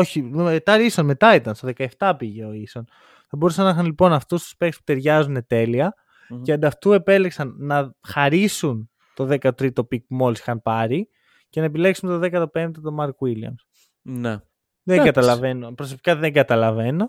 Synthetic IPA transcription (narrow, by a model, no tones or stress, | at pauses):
o̞çiet̪ɐɾisonme̞t̪ɐit̪ɐnst̪oðekɐeft̪ɐpiʝe̞o̞iso̞n | θɐbo̞ɾusɐnːɐxɐnlipo̞nɐft̪ust̪u̥spekspu̥t̪e̞ɾʝɐzune̞t̪e̞liɐ | eɐnd̪ɐft̪ue̞pe̞leksɐnːɐxɐɾisun | t̪o̞ðe̞kɐt̪ɾit̪o̞pik̚pumo̞lisi̥xɐnpɐɾi | ce̞nɐepile̞ksunt̪oðe̞kɐt̪ope̞nd̪et̪omɐɾkwiliɐ̰ms | ne | ðeɡɐt̪ɐlɐve̞nopɾos̬o̞pi̥kɐðeŋɡɐt̪ɐlɐve̞no